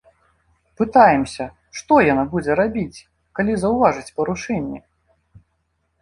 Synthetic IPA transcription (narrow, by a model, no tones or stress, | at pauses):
pɨt̪ajɛmsʲɐ | ʂt̪ɔjanabud͡zʲɛɾabʲit͡sʲ | kalʲizɐwvaʐɨt͡sʲpɐɾuʂɛnʲːḭ